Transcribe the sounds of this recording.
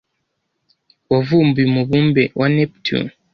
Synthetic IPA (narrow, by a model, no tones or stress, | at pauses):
ovumbimuβumbewʔaneptʰṵ